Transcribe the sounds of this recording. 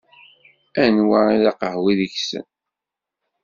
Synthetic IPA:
ænwaɾˤiðɑqəhwiðəçsə̰n

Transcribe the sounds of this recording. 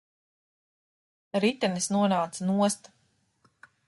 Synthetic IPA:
ɾit̪ɛnisnuɔnaːt̪sanuɔst̪

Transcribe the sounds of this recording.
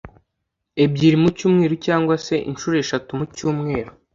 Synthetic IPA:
e̞bɟiːɾimucuːmŋeːɾucaːŋɡwase̞ʔḭnʃuːɾe̞ʃatumucuːmŋe̞ːɾu

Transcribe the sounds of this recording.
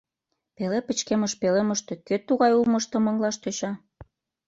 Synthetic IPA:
pelepə̆t͡ɕkemə̆ʃpeleməʃt̪e̽køt̪ːuɣɑjulmɤ̆ʃt̪ə̆mɤ̆ŋlɑʃt̪øɕɑ

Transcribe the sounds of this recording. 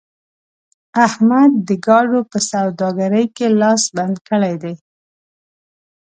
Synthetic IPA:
ahmad̪ːəɡɑɖopəsawd̪ɑɡaɾəjkelɑsband̪kəɭajd̪ej

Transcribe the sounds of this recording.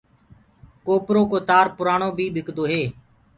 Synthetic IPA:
koːpɾoːkoːt̪aːɾpʊɾaːɳoːbʱiːɓʱɪkd̪oːɦeː

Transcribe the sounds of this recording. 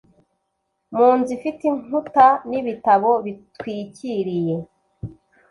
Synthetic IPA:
muːnzifitiŋutaniβitaβo̞βitwiːciɾije̞

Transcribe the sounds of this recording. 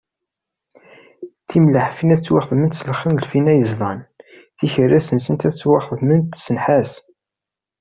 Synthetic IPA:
θimləħfinæθt͡sːwɑχðˤmənt̪səlχənlfinæjəzˤðˤɑn | θiçərːæsənsənt̪æθət͡sːwɑχəðmənt̪sənħas

